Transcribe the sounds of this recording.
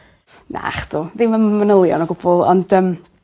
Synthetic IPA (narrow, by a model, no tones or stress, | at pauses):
nʔa̰χd̪̥uːðɪmammənəlˠjɔ̰nɔɡʊbɔlˠɔ̰nd̥əːm